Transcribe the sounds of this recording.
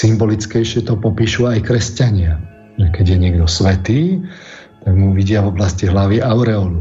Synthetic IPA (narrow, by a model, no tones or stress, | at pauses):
simbɔlit͡skɛjʃɪɛt̪ɔpɔpiːʃuajkɾɛscaɲɪa | ʒɛkɛɟjɛɲɪɛɡd̪ɔsʋɛt̪iː | t̪aɡmuʋiɟɪavɔblasciɦlaʋiʔaʊɾɛɔlu